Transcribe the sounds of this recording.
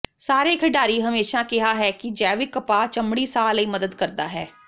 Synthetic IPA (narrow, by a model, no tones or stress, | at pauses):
saːɾeːkʰəɖaːɾiːɦəmeːʃaːkɪɦaːɦɛːkɪd͡ʒɛːʋɪkəpaːt͡ʃəmɽiːsaːləiːməd̪əd̪kəɾd̪a̰ːɦɛː